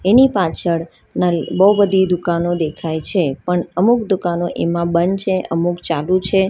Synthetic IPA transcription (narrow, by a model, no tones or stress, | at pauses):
enipat͡ʃʰəɭ | nabəubəd̪ʱid̪ukanod̪ekʰajt͡ʃʰepəɳəmukd̪ukanoʔemãbənt͡ʃʰeʔəmukt͡ʃalũt͡ʃʰe